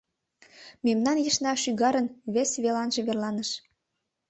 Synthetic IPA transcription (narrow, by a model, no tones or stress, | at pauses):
memnɑnjəʃnɑʃyɣɑɾənβesβelɑnʒĕβerlɑnəʃ